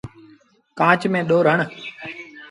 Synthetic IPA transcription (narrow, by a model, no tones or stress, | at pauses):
kãːt͡ʃmẽːɗoːɾəɳ